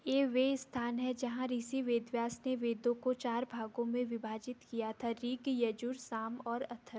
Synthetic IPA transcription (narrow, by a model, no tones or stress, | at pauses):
jeːʋeːst̪ʰaːnɦɛd͡ʒɐɦãɾiːsiʋeːd̪ʋjaːsneʋeːd̪õkot͡ʃaːɾbʱaːɡõmẽʋɪbʱaːd͡ʒɪt̪kijat̪ʰaɾiːɡjɐd͡ʒʊɾsaːmɔːɾɐt̪ʰːə